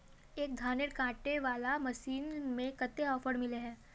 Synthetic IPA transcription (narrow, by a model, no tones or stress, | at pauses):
eːk̚d̪ʱaːnɪʈkãːʈeʋaːlamɐʃiːnmẽkət̪ːeɔːfəɾmɪleɦɛ̃ː